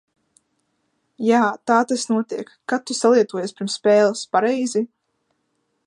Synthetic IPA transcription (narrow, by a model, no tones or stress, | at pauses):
jaːt̪aːt̪asnuɔt̪iɛkːat̪usalˠiɛt̪uɔjaspʲiɾmspɛːlˠaspaɾɛjzi